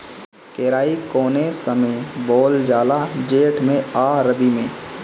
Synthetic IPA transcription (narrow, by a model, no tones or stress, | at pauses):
keːɾaːikoːnesɐmeboːld͡ʒaːlad͡ʒeːʈʰmẽaːɾəbimḛ̃ː